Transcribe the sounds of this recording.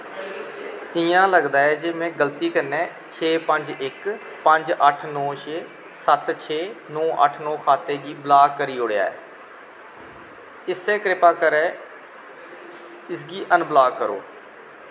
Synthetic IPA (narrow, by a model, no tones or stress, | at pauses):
ɪjãːləɡd̪aːɛːd͡ʒeːmẽːɡəlt̪iːkənːɛː | t͡ʃʰeːpəɲd͡ʒɪk | pəɲd͡ʒəʈʰnɔ̃ːʃeː | sət̪t͡ʃʰeːnɔ̃ːʔə̰ʈʰnɔ̃ːkʰaːt̪eːɡiːblaːkːəɾiːoːɽeja̰ːɛ̰ː | ɪsɛːkɾɪpaːkəɾɛː | ɪsɡiːʔənblaːkːəɾo̰ː